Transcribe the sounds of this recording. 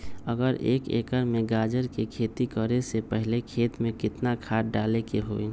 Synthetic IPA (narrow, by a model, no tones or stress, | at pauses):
əɡəɾḛːkḛːkəɾmẽɡaːd͡ʒəɾkekʰeːt̪ikəɾesepɛɦlekʰeːt̪mẽkɪt̪nakʰaːʈ̚ɖaːlekeɦoːe